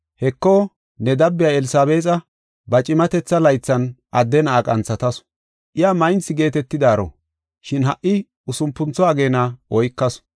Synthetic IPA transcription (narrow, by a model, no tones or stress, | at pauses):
hɛkːo | nɛd̪ɐbːɪjaɛlɪsaːbe̞ːt͡sʼɐ | bɐt͡ʃʼɪmɐt̪ɛt͡sːɐlɐjt͡sːɐnɐd̪ːɛnaːkʼɐnt͡sːɐt̪ɐs | ʔɪjaːmɐjnsɪɡe̞ːt̪ɛt̪ːɪd̪aːɾɔ̰ | ʃɪnɦɐʔːɪ | ʊsʊmpːʊnt͡sɔaːɡe̞ːnɐɔjkːɐs